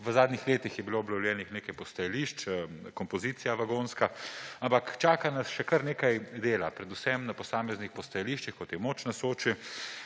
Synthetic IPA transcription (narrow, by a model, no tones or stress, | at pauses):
ʋəzaːd̪nixleːt̪ixjɛbiloːɔblɐwljɛːnixneːkajpɔst̪ɐjɛliʃt͡ʃkɔmpɔziːt̪ijaʋaɡoːnskaampakt͡ʃaːkanɐsʃɛkɐɾneːkajd̪eːlapɾɛd̪usɛmnapɔsaːmɛznixpɔst̪ɐjɛliːʃt͡ʃixkɔt̪jɛmoːt͡ʃnasoːt͡ʃi